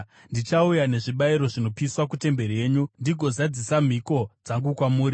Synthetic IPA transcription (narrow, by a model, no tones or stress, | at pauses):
ndit͡ʃaujane̞ʐiɓaiɾo̞ʐino̞piswakute̞mbe̞rie̞ːɲundiɡʱo̞zad͡zisam̤iko̞d͡zaŋɡukwamuːri